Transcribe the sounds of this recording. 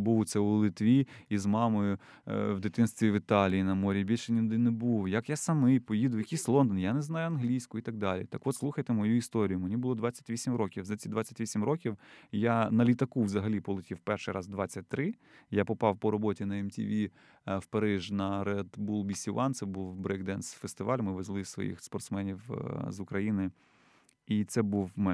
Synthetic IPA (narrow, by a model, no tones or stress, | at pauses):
buwt̪sɛʊlˠɪt̪ʋʲiizmɑmɔjʊ | wd̪ɪt̪ɪnst̪ʋʲiʋɪt̪ɑlʲijinɐmɔɾʲibʲilʲʃɛnʲid̪ɪnebuwjɐkjasɐmɪjpɔjid̪ʊjɐkʲisʲlˠɔnd̪ɔnjanɛznɑjʊɐnɦlʲijsʲkʊit̪ɐɡ̚d̪ɑlʲḭt̪ɐkʋɔt̪sˠuxɐjt̪emɔjuist̪ɔɾʲijʊmenʲibʊlˠɔd̪ʋɑt͡sʲːɐ̥tʲʋʲisʲimrɔkʲiwzɐt͡sʲid̪ʋat͡sʲːɐ̥tʲʋʲisʲimrɔkʲiwjanɐlʲit̪ɐkuʋzɐɦɐlʲipɔlˠɪtʲiwpɛrʃɪjɾɑzd̪ʋɑt͡sʲːɐt̚ʲt̪ːɾɪjapɔpɑwpɔɾɔbɔtʲinɐɛmtʲḭʋʲi | wpɐɾɪʒnɐɾɛd̪bulˠbʲisʲiʋɑnt̪sɛbuwbɾɛɡd̪ɛnsfest̪ɪʋɑlʲmɪʋezlˠɪssʋɔ̰jḭxspɔrt̪smɛnʲiwzʊkɾɐjinɪ | it̪sɛbuwm